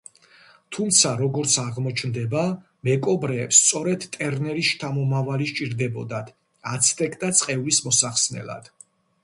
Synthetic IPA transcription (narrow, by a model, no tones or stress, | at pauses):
t̪ʰumt̪sʰaɾɔɡɔɾt̪sʰaʁmɔt͡ʃʰnd̪ɛba | mɛkʼɔbɾɛːpst̪sʼɔɾɛd̪t̪ʼɛɾnɛɾisʃt̪ʰamɔmavaliʃt͡ʃʼiɾd̪ɛbɔ̰d̪ad̪̥ | at̪sʰt̪ʼɛkʰʼt̪ʼat̪sʼqʼɛvlismɔsaχsnɛ̰la̰d̪̥